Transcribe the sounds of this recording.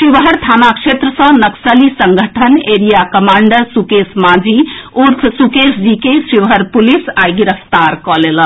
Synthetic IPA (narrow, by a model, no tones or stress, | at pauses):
siʋɦəɾt̪ʰanakʃet̪ɾəsə̃nəksəlisəŋɡʱəʈʰəneɾijakəmaɳɖəɾsukesmad͡ʒiuɾpʰsukesd͡ʒikesɾiʋɦəɾpulisajɡiɾəft̪aɾkɔlelən